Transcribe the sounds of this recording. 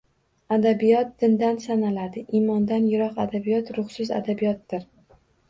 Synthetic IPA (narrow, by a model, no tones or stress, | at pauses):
ad̪abijɒt̪̚d̪̥ɪnd̪ansanalad̪ɪʔimɒnd̪anjɪɾɒqad̪abijɒt̪ɾʊχsɪza̰d̪abijɒt̪ːɪɾ